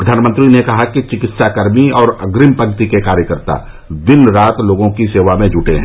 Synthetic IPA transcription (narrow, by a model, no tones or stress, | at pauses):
pɾəd̪ʱaːnmə̃nt̪ɾinekɐɦakit͡ʃɪkɪt̪sakəɾmiɔːɾɐ̰ɡɾɪmpəɡt̪ikekaːɾjəkəɾt̪a̰ | d̪ɪnɾaːt̪loːɡõkiseːʋamẽd͡ʒuːʈeɦɛ̃ː